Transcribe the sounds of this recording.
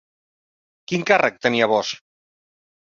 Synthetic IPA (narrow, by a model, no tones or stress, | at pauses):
kiŋkarək̚t̪əniaβɔs